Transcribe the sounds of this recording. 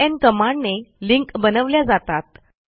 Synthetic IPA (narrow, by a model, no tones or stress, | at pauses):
ɛnkəmaɳneliŋkbənəʋljad͡zat̪at̪̚